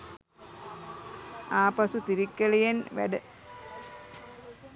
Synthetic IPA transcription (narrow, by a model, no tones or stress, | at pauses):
aːpɐsut̪iɾikːelijenʋæ̰ɖə